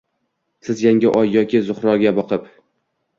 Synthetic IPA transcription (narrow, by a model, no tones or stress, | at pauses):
sɪzjaŋɡʲɪʔɒjːɒkʲʰɪzʊχɾɒɡʲabɒqʰɨp